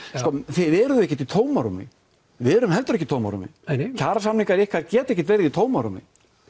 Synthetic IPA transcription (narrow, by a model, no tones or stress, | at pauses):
skɔθɪvɛɾʏðʏɛhcːɪt̪̬it̪ʰoːwmaɾumɪ̰ | vɪɛɾʏmɦɛlt̪ʏɾɛcɪt̪ʰoːwmaɾṵmɪ̰cʰaːɾasamniŋkaɾɛhkʰaɾcɛːt̪ɛhçcɪt̪vɛjɾɪðit̪ʰoːwmaɾumɪ̰